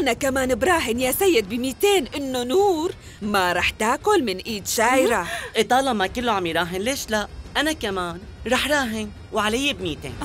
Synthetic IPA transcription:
ʔʔanakamaːnɪbɾˤɑːɦɪnjaːsajːɪd̪̚bɪmiːt̪eːnʔɪnːonuːɾ | maɾˤɑːħt̪aːkʊlmɪnʔiːd̪ʃaːjɾaʔɪt̪ˤɑːlɑmakɪlːoʕamjiɾˤɑːɦɪnleːʃlaʔʔanakamaːn | ɾˤɑːħɾˤɑːɦɪn | wʕalajːebmiːt̪ḛːn

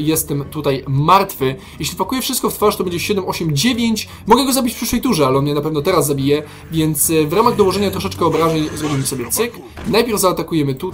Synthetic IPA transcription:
jɛst̪ɛmt̪ut̪ajmaɾt̪fɘ | jɛɕlʲipakujɛfʂɘst̪kɔft̪faʂt̪ɔbɛɲd͡ʑɛɕɛd̪ɛmɔɕɛmd͡ʑevʲjeɲt͡ɕ | mɔɡɛɡɔzabʲit͡ɕfpʂɘ̥ʂwɛjt̪uʐɛalɛɔnmɲɛnapɛvnɔt̪ɛɾazːabʲijɛ | vʲjɛnt̪svɾamaɣd̪ɔwɔʐɛɲat̪ɾɔʂɛt͡ʂkɛɔbɾaʑɛɲzɾɔbʲimsɔbʲjɛt̪sɘk | najpʲjɛɾvzaːt̪akujɛmɘt̪u

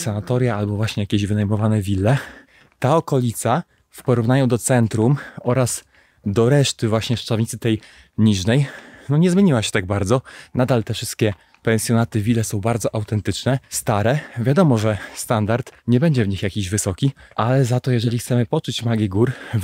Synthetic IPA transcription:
sanat̪ɔɾʲjaalbɔvwaɕɲɛjakʲeʑvɘnajmɔvanɛvʲilːɛ | t̪aɔkɔlʲit̪sa | fpɔɾuvnajɔ̃w̃d̪ɔt̪sɛnt̪ɾumɔɾas | d̪ɔɾɛʂt̪ɘvwaɕɲɛʂt͡ʂavɲit̪sɘt̪ɛj | ɲiʐnɛjnɔɲɛzmʲjeɲiwaɕɛ̥t̪aɡ̚baɾd̪zɔnad̪alt̪ɛfʂɘst̪̚kʲɛ | pɛnsʲjɔnat̪ɘvʲilːɛsɔ̃w̃baɾd̪zɔʔawt̪ɛnt̪ɘt͡ʂnɛst̪aɾɛvʲjad̪ɔmɔʐɛst̪and̪aɾt̪ɲɛbɛɲd͡ʑɛvɲixjakʲiʑvɘsɔkʲiʔalɛzat̪ɔjɛʐɛlʲixt̪sɛmɘpɔt͡ʂut͡ɕmaɡʲiɡuɾ

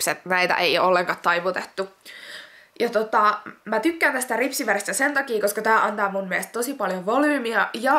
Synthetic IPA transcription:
pset̪næjt̪æ̰ʔeiolːeŋkɑt̪ɑiʋut̪et̪ːu | jɑt̪ot̪ɑmæt̪ykːænt̪æst̪æripsiʋæɾest̪æsent̪ɑkiːkoskɑt̪æːʔɑnt̪ɑːmunmiest̪t̪osipɑljoʋolyːmiɑjɑ

